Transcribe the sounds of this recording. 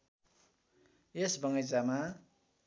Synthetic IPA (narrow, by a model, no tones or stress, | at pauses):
esbʌŋʌjt͡sama